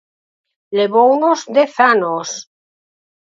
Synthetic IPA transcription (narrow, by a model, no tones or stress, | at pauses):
leβownozd̪eθanos